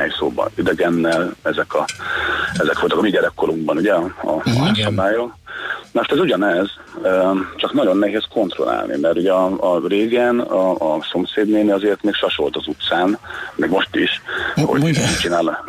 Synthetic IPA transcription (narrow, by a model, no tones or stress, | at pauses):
ɛjso̰ːbɒ̰id̪ɛɡɛnːɛlɛzɛkʰɒ | ɛzɛkʋo̞lt̪ɒkɒmiɟɛɾɛkːo̞luŋɡbɒnuɟɛɒ̰asɒbaːjonoʃt̪ɛzuɟɒnɛz | øt͡ʃɒknɒɟo̞nːɛɦeːskʰo̞nt̪ro̞̰la̰ːlnḭmɛrt̪uɟɛɒɒreːɡɛnɒːso̞mseːd̪neːniɒzeːrt̪meːkʃɒʃo̞lt̪ɒzut̪saːnmɛɡmo̞ʃt̪iʃo̰t͡ʃinaːl